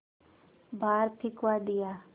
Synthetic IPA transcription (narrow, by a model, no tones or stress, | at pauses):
bʱaːɾpʰɪkʋaːd̪ɪjaː